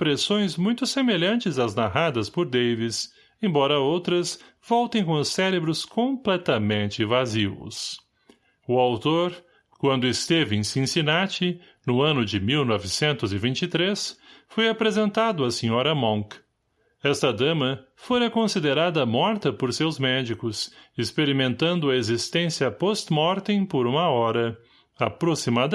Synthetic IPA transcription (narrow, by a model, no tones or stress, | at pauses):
pɾesõj̃zmũj̃t̪ʊsemeʎɐ̃nt͡ʃɪzaznaɦad̪ɐspoɾd̪ejvis | ẽj̃bɔɾɐowt̪ɾɐs | v̥ɔwt̪ẽj̃kõʊsɛɾebɾʊskõplɛt̪ɐmẽnt͡ʃɪvazivʊ̰s | ʊawt̪oɾ | kwɐ̃nd̪ʊɪst̪evɪẽj̃sĩsinat͡ʃɪ | nʊɐ̃nʊd͡ʒɪmiwnɔvɪsẽnt̪ʊzɪvĩnt͡ʃit̪ɾesfojapɾezẽnt̪ad̪ʊɐsĩɲɔɾɐmõk | ɛst̪ɐd̪ɐ̃mɐ | foɾɐkõsid̪eɾad̪ɐmɔɾt̪ɐpoɾsewzmɛd͡ʒikʊsɪspeɾimẽnt̪ɐ̃nd̪ʊɐezist̪ẽsiɐpɔst̪mɔɾt̪ẽj̃poɾũmɐɔɾɐ | apɾosimad̪